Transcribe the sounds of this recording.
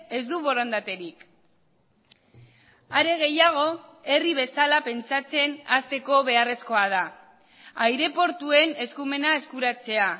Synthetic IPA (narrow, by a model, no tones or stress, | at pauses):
e̞zd̪uβo̞ɾond̪at̪e̞ɾik | aɾe̞ɣ̞e̞jaɣ̞o̞ | e̞riβ̞e̞salape̞nt͡sat͡se̞nast̪e̞ko̞β̞e̞are̞sko̞að̞a | ajɾe̞po̞ɾt̪ue̞ne̞skume̞nae̞skuɾat͡se̞a